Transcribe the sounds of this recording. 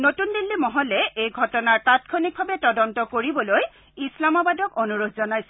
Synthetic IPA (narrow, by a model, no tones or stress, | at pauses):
notundilːimɔɦɔlɛʔejɡʱɔtɔnaɹpatkʰonik̚bʱabɛtɔdɔntɔkoɹibɔloj | islamabadɔkɔnuɹodʱzɔnajsɛ